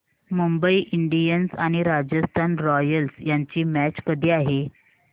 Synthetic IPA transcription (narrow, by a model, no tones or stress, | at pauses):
mumbəiʔiɳɖijənsaɽ̃iɾad͡ʑəst̪ʰanɾɔjəlsjaɲt͡ɕiːmæt͡ɕkəd̪ʱiːaɦe